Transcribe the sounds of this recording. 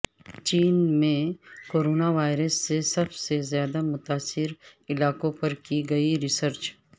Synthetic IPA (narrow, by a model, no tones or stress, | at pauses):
t͡ʃiːnmẽkoːɾoːnaʋaːɪɾəsːesɐbsezjaːd̪amʊt̪aːsːɪɾɪlaːkõpɐɾkiɡɐiɾɪsəɾt͡ʃ